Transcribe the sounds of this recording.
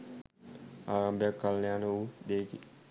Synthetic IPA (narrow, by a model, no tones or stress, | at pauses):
aːɾambəjakːalnejaːnəud̪eːki